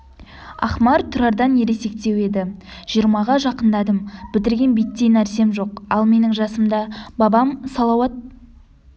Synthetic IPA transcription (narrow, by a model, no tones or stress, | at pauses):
ɑ̰χmɑɾt̪ʰʊɾɑɾd̪ɑnje̞ɾe̞se̞k̚t̪e̞we̞d̪ɪʒ̥ijəɾmɑʁɑʒɑqənd̪ɑd̪əmb̥ɪt̪ɪɾɡʲe̞nbijt̪ːejnæɾse̞mʒo̞qɑlˠme̞nɪŋʒɑsəmd̪ɑbɑbɑmsɑlˠɑwɑt̪̚